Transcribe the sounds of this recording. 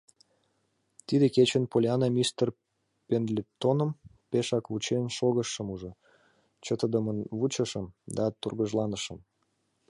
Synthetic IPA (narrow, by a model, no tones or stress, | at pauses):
t̪id̪eket͡ɕənpolʲɑnɑmʲist̪ər | pend̪lʲet̪onə̆mpeʃɑkβut͡ɕenʃoɣəʃːəmuʒo | t͡ɕət̪əd̪əmənβut͡ɕəʃəmd̪ɑt̪urɣəʒlɑnəʃəm